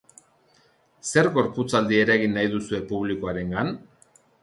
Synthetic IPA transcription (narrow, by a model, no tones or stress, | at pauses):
se̞ɾɣo̞ɾput͡sald̪ie̞ɾaeɣinːajðusue̞puβlikoaɾe̞ŋɡan